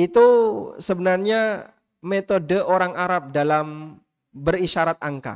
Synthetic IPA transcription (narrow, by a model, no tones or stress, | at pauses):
it̪usəbənarɲa | met̪odəʔoɾaŋʔaɾap̚dalam | bəriʃaɾat̪̚aŋka̰